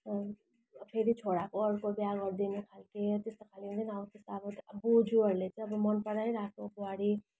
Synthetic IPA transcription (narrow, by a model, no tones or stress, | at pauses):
pʰeɾit͡sʰoɽakoʌɾkobjaɡʌɾd̪inukʰalket̪est̪okʰaliũnd̪inabʌt̪est̪aabʌbud͡zuʌɾlet͡siʌbʌmʌnpʌɽajɾakʰnopuaɽi